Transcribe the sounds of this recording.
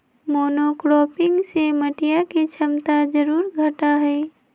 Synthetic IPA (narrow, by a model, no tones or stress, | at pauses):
moːnokɾoːpɪ̃ŋɡseməʈijakit͡ʃʰɐmt̪ad͡ʒɐɾuːɾɡʱɐʈaɦɛː